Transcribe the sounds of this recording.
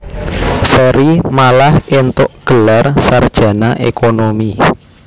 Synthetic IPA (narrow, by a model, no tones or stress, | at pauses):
fɛɾimalahent̪ʊʔɡ̥ə̤larsard̥ʒ̥a̤naʔḛkʰonomi